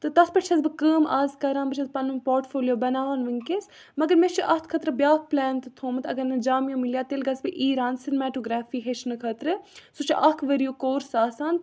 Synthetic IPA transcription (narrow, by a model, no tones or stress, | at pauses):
t̪ɨt̪ɐspɐʈt͡ʃʰɐzbɨkəːmaːzkɐɾãːnbɨt͡ʃʰɐzpɐnɨmpoːɾʈfoːlʲjoːbɐnaːʋnʋɨŋkes | mɐɡəɾmet͡ʃʰiʔɐt̪ʰkʰɐt̪ɾɨbjaːk̚ʰplɛːnt̪ɨt̪ʰoːmɨt̪ɐɡɐɾnɐd͡ʒaːmjoːmilijaːt̪elɡɐsbɨʔiːɾaːnsinmɛːʈoːɡɾaːfiːɦet͡ʃʰnɨkʰɐt̪ɾɨsut͡ʃʰiʔɐkʰʋɐɾijoːkoːɾsaːsaːn